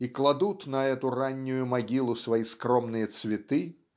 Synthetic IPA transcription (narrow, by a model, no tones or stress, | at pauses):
iklˠad̪ut̪nɐɛt̪ʊranʲːʊjʊmaɡʲilˠʊsvɐjiskɾɔmnɨjət̪svʲɪt̪ɨ